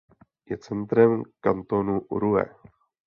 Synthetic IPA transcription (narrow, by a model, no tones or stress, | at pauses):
jɛt͡sɛnt̪ɾɛmkant̪onuʔuɾuɛ̰